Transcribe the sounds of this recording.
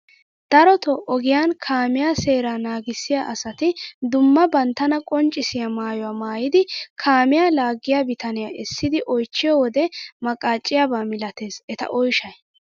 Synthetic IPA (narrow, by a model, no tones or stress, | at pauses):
d̪̥ɐɾɔt̪ɔʔɔɡɪjaːnkʰaːmɪjaːse̞ːɾaːnaːɡɪsːɪjaːʔɐsɐt̪ɪd̪ʊmːɐbɐnt̪ːɐnɐkʼɔnt͡ʃʼːɪsɪjamaːjɔwaːmaːjɪd̪ɪkʰaːmɪjaːlaːɡːɪjabɪt̪ɐnɪjaʔɛsːɪd̪ɪʔɔjt͡ʃːɪjɔwɔd̪ɛmɐkʼaːt͡ʃʼːɪjabaːmɪlɐt̪e̞ːsɛt̪ɐ̰ʔɔjʃɐj